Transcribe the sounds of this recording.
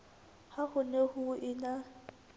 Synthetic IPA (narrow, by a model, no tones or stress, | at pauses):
hahʊnehʊʔɪna